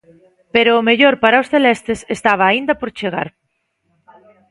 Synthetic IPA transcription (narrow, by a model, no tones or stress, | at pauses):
peɾʊːmeʎoɾpaɾaʊsθelɛst̪esest̪aβ̞aːind̪ɐpoɾt͡ʃeɣ̞aɾ